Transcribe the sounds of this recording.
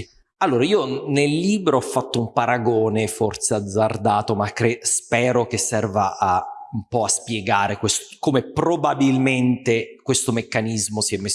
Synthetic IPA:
alːoːɾaiːonelːiːbɾoɔfːat̪ːoumpaɾaɡoːnefort̪sead̪zːard̪aːt̪omakːɾespɛːɾok̟esːɛrvaaumpɔaspjeɡaːɾekwest̪okoːmepɾobabilment̪ekwest̪omekːanizmosiɛmːe

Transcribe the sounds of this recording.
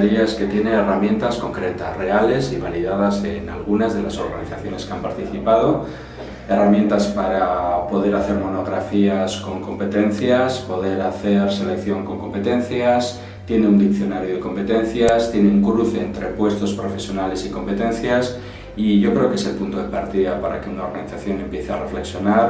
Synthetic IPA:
ɾiaeske̞t̪je̞ne̞ːramje̞nt̪asko̞ŋkɾe̞t̪asre̞ale̞siβaliðaðase̞na̰lɣunazðe̞laso̞ɾɣa̰niθaθjo̞ne̞ske̞ampaɾt̪iθipaðo̞ | e̞ramjent̪aspaɾapo̞ð̞e̞ɾaθe̞ɾmo̞no̞ɣ̞ɾafiasko̞ŋko̞mpe̞t̪e̞n̟θjaspo̞ðe̞ɾaθe̞ɾse̞le̞kθjo̞ŋko̞ŋko̞mpe̞t̪ẽ̞nθjas | t̪je̞ne̞und̪ikθjo̞naɾjoð̞eko̞mpe̞t̪ẽ̞nθjast̪je̞neuŋkɾuθḛnt̪ɾe̞pwe̞st̪o̞spɾo̞fe̞sjo̞nale̞siko̞mpe̞t̪ẽ̞nθjas | iʝo̞kɾe̞o̞ke̞se̞lpunt̪o̞ð̞e̞paɾt̪iðapaɾake̞unaoɾɣaniθaθjo̞ne̞mpje̞θeare̞fle̞ksjo̞naɾ

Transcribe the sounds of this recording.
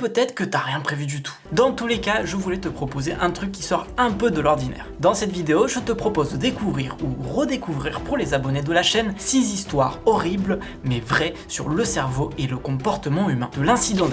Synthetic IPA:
pøt̪ɛt̪χə̥kət̪yaʁjɛ̃pχevyd̪yt̪ʰu̥d̪ɑ̃t̪ulekaʒəvulɛt̪əpχɔpozeʔɛ̃t̪χykʲːisɔʁɛ̃pød̪əlɔʁd̪inɛ̰ːʁd̪ɑ̃sɛt̪vid̪eoʒət̪əpχɔpozd̪əd̪ekuvʁiːʁuʁəd̪ekuvʁiʁpuʁlezabɔned̪əlaʃɛnsizist̪waʁɔʁibl | mɛvʁɛsy̰ʁləsɛʁvoeləkɔ̃pɔʁt̪əmɑ̃ymɛ̃d̪əlɛ̃sid̪ɑ̃

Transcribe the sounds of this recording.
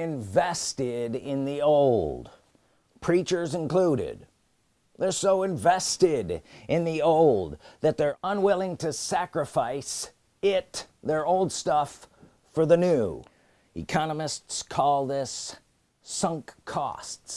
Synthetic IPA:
ɪ̃ɱvɛstɪɾɪ̃nðioʊllˠd̥ | pʰɹ̥it͡ʃə˞zɨ̃nkl̥uɾɪ̰d̪̚ | ðə˞soʊɨ̃ɱvɛstɪɾʔɪ̃nðioʊlˠd̪̚ðɨt̪̚ðə˞ʔə̃nwɪlˠɪ̃ŋtʰɨsækɹɨfaɪs | ɪt̪̚ðə˞oʊlˠdstʌf | ə˞ðɨnʉ | ḭkʰɑnəmɨstskʰɔlˠðɪsː | ʌ̃ŋkʰːɔ̰sts

